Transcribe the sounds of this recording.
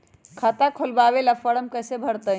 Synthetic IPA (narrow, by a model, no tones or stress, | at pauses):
kʰat̪akʰolbaβelafəɽəmkəjsebʱəɾt̪ə